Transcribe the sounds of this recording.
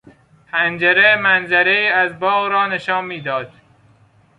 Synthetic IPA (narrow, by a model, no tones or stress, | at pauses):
hænd͡ʒeɾemænzæɾeiːæzbɒːɣɾɒːneʃɒːnmːiːd̪ɒːd̪̥